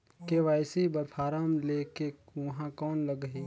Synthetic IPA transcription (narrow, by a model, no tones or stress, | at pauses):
keʋaːɪsibəpʰaːɾaːmlekeʋɐɦãkɔːnləɡəɦiː